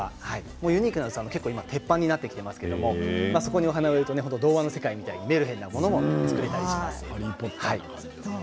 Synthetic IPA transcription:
ahai | mo̞ːjɯ̟ɲ̟iːkɯnaɯsanoke̞kːoːimat̪ʰe̞pːãɲ̟ːinat̪ːe̞kʲi̥t̪e̞masɨ̥keed̪omo̞maso̞ko̞ɲ̟io̞ɦanaβeɾɯ̟t̪o̞ne̞ɦo̞nt̪od̪o̞ːβano̞se̞kaimʲit̪aiɲ̟ime̞ɾɯ̟ɦẽ̞nːamo̞no̞mo̞t͡st͡sɨ̥kɯ̟ɾe̞t̪aɾiɕiasɨ̥ipːohaḭ

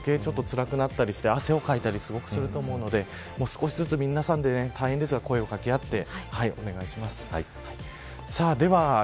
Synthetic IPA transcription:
ke̞ːt͡ɕo̞t̪ːo̞t͡sɨɾakɯ̟nat̪ːaɾʲiɕi̥t̪e̞ase̞o̞kait̪aɾʲisɨɡo̞kɯ̟sɨɾɯ̟t̪o̞ːmo̞ɯ̟no̞d̪e̞ | moːsɨ̥ko̞ɕizɨt͡sɨmʲĩnːasãnd̪e̞net̪ʰaiɦẽnd̪e̞s̬ɨɡako̞e̞o̞kakʲiat̪ːe̞haio̞ne̞ɡaiɕimasɨ̥ | a | saːd̪e̞βa

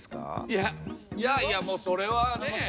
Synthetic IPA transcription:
ska̰jajajamoːso̞ɾe̞βans

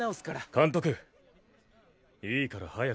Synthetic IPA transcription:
aosɨ̥kaɾakãnt̪o̞kɯ̟ | iːkaɾa̰haja

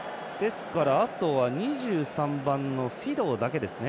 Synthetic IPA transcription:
d̪̥e̞sɨ̥kaɾaːt̪o̞βaɲ̟iʑɨːsãmbãnːo̞ɸʲid̪o̞ːd̪ake̞d̪e̞sɨne

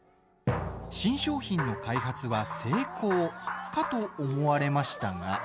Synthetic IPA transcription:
ɕĩɰ̃ɕo̞ːçĩnːo̞kaiɦat͡sɨβase̞ːko̞ːkat̪o̞ːmo̞βaɾe̞maɕi̥t̪aɡa

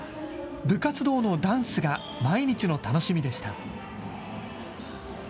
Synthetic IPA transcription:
bɯ̟kat͡sɨd̪o̞ːno̞d̪ãɰ̃sɨɡa | maiɲ̟it͡ɕino̞t̪ano̞ɕimʲid̪e̞ɕi̥t̪a̰

